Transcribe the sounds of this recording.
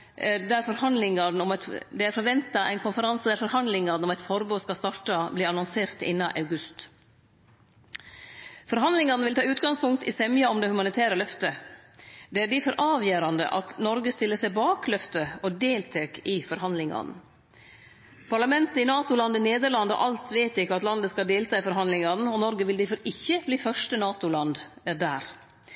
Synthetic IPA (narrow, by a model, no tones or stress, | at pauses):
d̪æɾfɔɾhɑnd̪lɪŋɑn̩ɔmɛt̪d̪ɛæɾfɔɾʋɛnt̪ɑæ̰ɪnkʊnfəɾɑnsəd̪æɾfɔɾhɑnd̪lɪŋɑnɔmæɪt̪fɔɾboːskɑst̪ɑʈɑbliːɾɑnɔŋseːɾt̪ɪ̰nːɑʔɑ̰ʉɡʉst̪ | fɔɾɦɑnd̪lɪŋɑnʋɪlt̪ɑːʉːt̪ɡɑŋspʊŋk̚t̪ɪsɛmjɑɔmd̪ɛhʉmɑnɪt̪ʰæːɾəlœft̪ə | d̪ɛæɖɪfɔɾʔɑːʋjøːɾɑnd̪ə̰ʔɑ̰t̪nɔɾɡəst̪ɪlːəsɛɪbɑːklœft̪əɔd̪eːlt̪ʰeːkʰɪfɔɾhɑnd̪lɪŋɑ̰nn̩ | pʰɑɭɑmɛnt̪əɪnɑːt̪ʊlɑnd̪ɪneːd̪əɾɭɑnd̪ɔ̰ʔɑlt̪ʋeɪt̪ɪkːəɑt̪lɑnd̪əskɑld̪eːlt̪ʰɑːɪfɔɾɦɑnd̪lɪŋɑnn̩ɔnɔɾɡəʋɪld̪ɪfɔɾɪçːəbliːfœʂʈənɑːt̪ʊlɑnd̪d̪æːɾ